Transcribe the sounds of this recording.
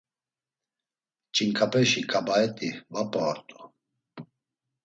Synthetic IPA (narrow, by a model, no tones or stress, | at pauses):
t͡ʃʼiŋkʰʼapʼɛʃikʼabaɛt̪ʼivapʼɔɾt̪ʼu̥